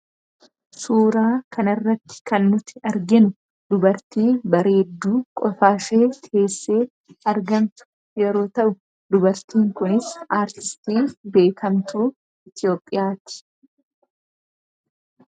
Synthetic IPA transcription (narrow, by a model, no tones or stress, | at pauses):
suːɾaːkɐnɪrːɐt̪ːɪ̥kɐnːʊt̪ːɪɐɾɡɛnʊ | d̪ʊbɐɾt̪iːnbɐɾeːd̪ːuːkʼɔfaːʃeːt̪ʰeːsːeː | ɐɾɡɐmt̪ʊ̥ | jɛɾo̞ːt̪ɐʔʊ | d̪ʊbɐɾt̪iːŋkʊnɪsʔaːɾt̪ɪst̪iːbe̞ːkɐmt̪uː | ɪt̪ɪjo̞ːpʼːɪjaːt̪ɪ̥